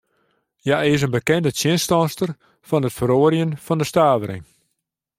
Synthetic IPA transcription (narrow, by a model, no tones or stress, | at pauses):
jaɪs̬ənbəkɛndəsjɪnstɔnstər | fɔnətfəɾoːɾjənfɔndəstaːvəɾɪ̰ŋ